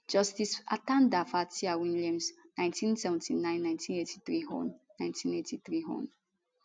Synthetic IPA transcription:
d͡ʒɔstisa̰tãndafatiawĩlãmsnãj̃ntʰĩnsɛvɛ̃ntinãj̃nːãj̃ntĩnetʰi̥θɹiɦɔ̰̃nːãj̃ntʰĩnetʰiθɹiɦɔ̰̃n

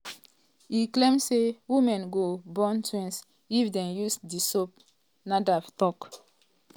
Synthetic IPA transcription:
iklẽmsewimɛ̃nɡobɔ̃ntwɛ̃ns | ifdɛ̃njusdisop̚ | nadaftɔk

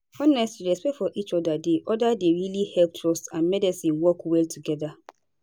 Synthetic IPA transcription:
ɔnɛstiɹɛspɛktfɔʔit͡ʃɔdadeʔɔdadeɹilihɛlp̚tʰɹɔstãnmɛdɛsĩnwɔkwɛltʰuɡɛða

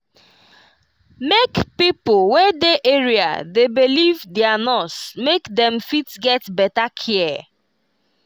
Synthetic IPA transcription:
mekpipʊwedeʔeɹia̰debilivdeanɔsmekdɛ̃mfitɡɛtbɛtakʰiɛ

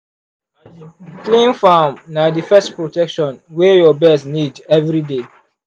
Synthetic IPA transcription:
klẽnfamnadifɛstpɹotɛkʃɔ̃nwɛjɔbɛsnidɛvɹide

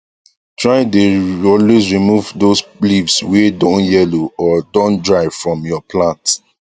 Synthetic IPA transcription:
tɹaɪdeɔlwesɹimuvdoslivswɛdɔ̃njɛloɔdɔ̃ndɹaɪvfɹɔ̃mjɔpʰlãnt

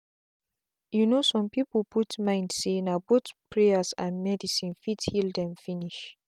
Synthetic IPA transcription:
junosɔ̃mpiplputmãɪ̃ndsenabotpʰɹeəsãnmɛdisĩnfithildɛ̃mfiniʃ

